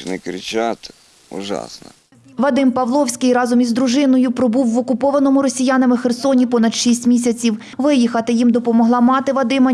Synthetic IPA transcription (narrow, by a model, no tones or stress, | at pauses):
nɪkɾʲɪt͡ʃat̪ | ṵʒɑ̰snɐ̰ | ʋɐd̪ɪmpɐʋlˠɔwsʲkɪjɾɑzɔmʲizd̪ɾʊʒɪnɔjʊpɾɔbuwːɔkʊpɔʋɐnɔmʊɾɔsʲijanɐmɪxersɔnʲipɔnɐd̪ʃisʲtʲmʲis̬ʲɐt͡sʲiw | ʋɪjixɐt̪ɪjimd̪ɔpɔmɔɦlˠɑmɑt̪ɪʋɐd̪ɪmɐ